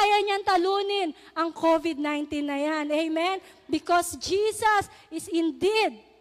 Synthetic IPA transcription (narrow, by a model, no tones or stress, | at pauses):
jɐɲant̪ɐluːnɪnʔɐŋkʰovɪd̪̚najnt̪inːɐjanɛjmɛn | bɪkosd͡ʒisɐsʔɪsɪnd̪id̪̚